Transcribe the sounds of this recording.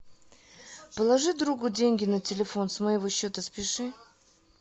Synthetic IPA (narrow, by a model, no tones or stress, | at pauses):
pəlˠɐʐɨd̪ɾuɡʊdʲenʲɡʲɪnətʲɪlʲɪfo̞nsməɪvoɕːot̪əspʲɪʂɨ